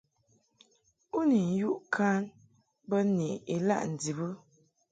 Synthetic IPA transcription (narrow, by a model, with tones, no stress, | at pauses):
u˦ni˨n̩˨˦ju˦ʔkʰa˦n | bə˦ni˨e˨la̰˦˨ʔn̩˨di˨bə˦